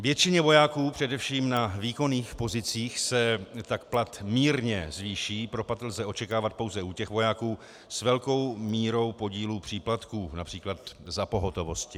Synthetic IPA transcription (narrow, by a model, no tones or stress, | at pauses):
vjɛt͡ʃɪɲɛvo̞jaːkuːpr̥ɛdɛfʃiːmnaviːko̞niːxpo̞zɪt͡siːxsɛt̪akplat̪miːɾɲɛzviːʃiːpɾo̞pat̪lzɛʔo̞t͡ʃɛkaːvat̪̚po̞wzɛuːcɛxvo̞jaːkuː | svɛlko̞wmiːɾo̞wpo̞ɟiːluːpr̝̥iːplat̪kuːnapr̥iːklat̪zapo̞ɦo̞t̪o̞vo̞scɪ